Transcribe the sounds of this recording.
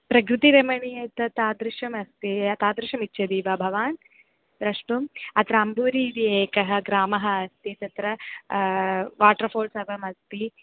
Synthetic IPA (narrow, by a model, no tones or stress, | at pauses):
pɾɐkɾut̪iɾɐmɐɳijɐt̪ɐt̪aːd̪ɾuʃɐmɐst̪iɐt̪aːd̪ɾɪʃɐmitːt͡ʃʰːɐd̪iːʋɐbʱɐʋaːn | d̪ɾɐʂʈumɐt̪ɾɐɐmbuːɾid̪ieːkɐɦɐ̆ɡɾaːmɐɦɐːst̪it̪ɐt̪ɾɐ | ʋaːʈɐɾfʰoːlsɐʋɐmɐst̪i